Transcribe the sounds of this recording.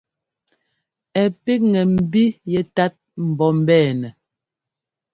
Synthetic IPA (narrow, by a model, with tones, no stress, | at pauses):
ɛ˨pe˦k̚ŋɛ˨m̩˨bi˦jɛ˦ta˦t̚m̩˨bɔ˦m̩˦bɛː˦˨nɛ˨